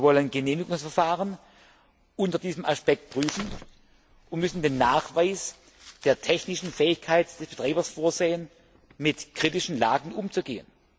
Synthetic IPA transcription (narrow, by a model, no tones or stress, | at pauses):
ɐvɔlənɡəneːmɪɡʊŋsfɛɐfaːʁən | ʔʊntɐdiːzəmʔaspɛk̚t̚pʁ̥yːfn̩ | ʔʊntmʏsn̩deːnːaːχv̥aɪs | d̥eːɐtʰɛçnɪʃn̩fɛːɪçkʰaɪtd̥ɛsb̥ətʁ̥aːbɐsfoːɐzeːən | mɪtkʁ̥itɪʃn̩la̰ːɡən̩ʔʊmt͡suɡeːən